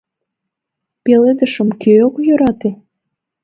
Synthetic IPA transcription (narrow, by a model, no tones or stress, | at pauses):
peled̪əʃə̆mkʰøokjøɾɑt̪e